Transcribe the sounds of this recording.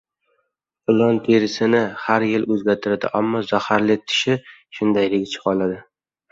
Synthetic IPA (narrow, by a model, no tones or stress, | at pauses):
ɪlˠɒnt̪ʰeɾɪsɪnɪhaɾjɪlɵzɡʲaɾt̪ʰɪɾad̪ɪ̰ʔamːɒzahaɾlɪt̪ʰɪ̥ʃɪʃʊnd̪ajlɪɡʲt͡ʃʰɪ̥qɒlˠad̪ɪ